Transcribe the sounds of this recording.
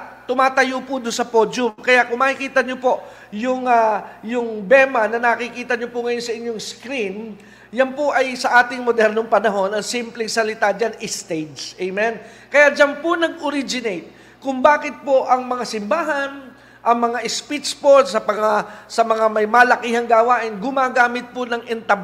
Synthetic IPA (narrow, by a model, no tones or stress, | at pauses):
t̪ːʊmaːt̪ɐjopʊd̪ʊnsɐpo̞d͡ʒʊmkɐjaʔkʊŋmaːkɪkiːt̪ɐɲopo̞ | jʊŋajʊŋbɛːmɐnɐnɐkɪkiːt̪ɐɲopʊŋɐjonsɐʔɪɲːoŋskɾin | janpoʔɐjsɐʔaːt̪ɪŋmod̪ɛɾnoŋpɐnɐɦo̞nɐŋsimplɛŋsɐlɪt̪ad͡ʒanʔɪst̪ed͡ʒʔɛjmɛn | kɐjad͡ʒanpʊnɐɡʔoɾid͡ʒɪnejt̪̚ | kʊŋbaːkɪt̪̚poʔɐŋmɐŋasɪmbaːɦɐn | ʔɐŋmɐŋaʔɪspit͡ʃposɐpɐŋasɐmɐŋamɐjmaːlɐkiːhɐŋɡaːwaːʔɪnɡʊmaːɡaːmɪt̪̚ponɐŋɛnt̪ɐb